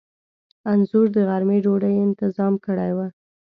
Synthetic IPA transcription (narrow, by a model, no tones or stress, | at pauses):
anzʊɾd̪əɣaɾmeɖoɖajɪnt̪ɪzɑmkəɽajwa